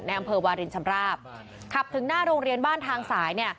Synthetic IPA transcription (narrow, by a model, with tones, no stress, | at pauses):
na˧jʔa˧mpʰɤː˧waː˧ɾi˧nt͡ɕʰa˧mɾaː˥˩p̚ | kʰa˨˩p̚t̪ʰɯ˩˦ŋnaː˥˩ɾoː˧ŋɾi˧ənbaː˥˩nt̪ʰaː˧ŋsaː˩˦jni˥˩ɐ